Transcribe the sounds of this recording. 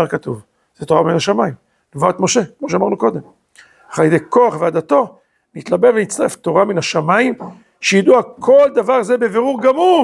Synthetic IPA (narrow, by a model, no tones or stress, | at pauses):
aʁkat̪uv | z̥et̪oʁaminaʃamaim | novat̪mo̞ʃe̞kmoʃ̬eamaʁnuko̞d̪e̞m | aχajd̪ejko̞aχvead̪at̪o̞ | nit̪labe̞venitt͡st̪aʁeft̪o̞ʁaminaʃamaim | ʃejid̪uakʰo̞ld̪avaʁzebeve̞ʁuʁɡamu